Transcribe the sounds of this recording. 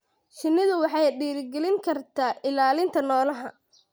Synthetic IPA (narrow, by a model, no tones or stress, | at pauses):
ʃɪnːɪðʊwɑħɑjɖiːɾɪɡɛlɪŋkʰɐrt̪ʰaːʔɪlaːlɪnt̪ʰɐnɔːlɐɦɐ